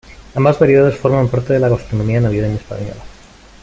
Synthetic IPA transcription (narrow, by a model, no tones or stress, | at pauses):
ambazβaɾjeðaðesfo̞ɾmampaɾt̪e̞ðelaɣast̪ɾo̞nomiaenaβjeðenespa̰ɲo̰la